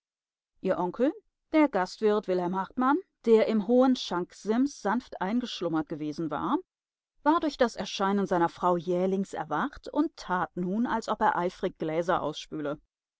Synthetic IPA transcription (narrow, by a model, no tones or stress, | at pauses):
ʔiːɐʔɔŋkl̩ | d̥eːɐɡastv̥ɪʁtv̥ɪlhɛlmhaʁtmand̥eːɐʔɪmɦoːənʃaŋkz̥ɪmsz̥anftʔaɪnɡəʃlʊmɐt̚ɡ̥əveːzn̩va̰ːɐ | vaːɐdʊɐçd̥asɛɐʃaɪnənzaɪnɐfʁ̥aʊjɛːɐlɪŋsɛ̰ɐvaχtʊntʰːaːtnuːna̰lsʔɔpeːɐʔaɪfʁ̥ɪk̚ɡ̥lɛːzɐʔa̰ʊsʃpyːlə